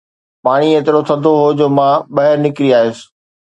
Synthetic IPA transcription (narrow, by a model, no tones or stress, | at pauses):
paːɽ̃iet̪ɪɾot̪ʰɐd̪ʱoɦod͡ʑoːmãɓɐɦɪɾnɪkɪɾiaːɦesɪ̥̆